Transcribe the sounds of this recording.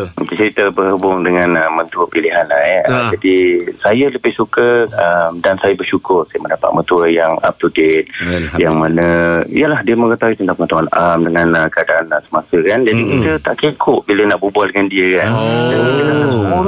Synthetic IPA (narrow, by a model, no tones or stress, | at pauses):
t̪it͡ʃəɾit̪əbəhɦəbʊŋdəŋãnəmə̃nt̪uəpiliɦanlaəd͡ʒadisajələbɪhsukəəmdansajəbərʃukʊrsajəməndapa̰t̪̚mə̃nt̪uəjaŋa̰p̚t̪udɪt̪̚jaŋmanə̃ijəlahdiəmə̃ŋət̪awit̪ənt̪ãpəŋat̪uana̰mdəŋãnəkadaːnsəmasəkand͡ʒadikit̪ət̪aʔkekʰʊʔbilənaʔbubaldəŋandiəkandanid̪iənasəsəuɾ